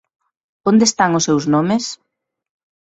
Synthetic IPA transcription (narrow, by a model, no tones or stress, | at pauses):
ond̪est̪aŋʊsewznomɪs